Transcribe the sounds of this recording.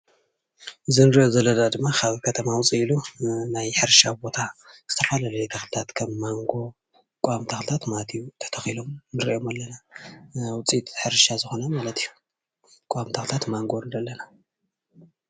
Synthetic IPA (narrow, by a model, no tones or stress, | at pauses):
ʔɨzɨnɨɾʔozɐlɐdad̪ɨmːakʰaβkʰɐt̪ʰɐmawt͡sʼiilunajħɨɾʃabo̞t̪ʰaz̥ɨt̪ʰɐfalalɐjt̪ʰɐxɨlɨt̪ʰat̪kʰɐmːaŋɡo̞ | kʷʼamt̪ʰaxɨlɨt̪ʰat̪mat̪ʰijut̪ʰɐ̥t̪ʰɐxilo̞mnɨɾiʔo̞malːɐna | wʊt͡sʼit̪ħɨɾʃazɨxo̞namalɐt̪ʰijːu | kʼamt̪ʰaxlt̪ʰat̪maŋɡo̞ɨnd̪ɐlːɐna